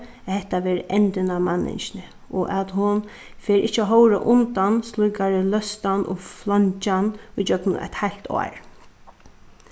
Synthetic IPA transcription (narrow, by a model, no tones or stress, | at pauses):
at̪hɛht̪aʋɛːɾɪʔɛnt̪ɪnamanːɪ̰nʃnɪ | ʔɔ̰ʔat̪hʊn | fɛːɾɪ̰ht͡ʃːɦɔwɾa̰ʔʊnt̪anslˠujkaɾɪlœst̪anʔʊ̰flɔɲt͡ʃanʊjt͡ʃœpnʊ̰ʔa̰t̪hajl̥t̪ʰɔ̰ːɹ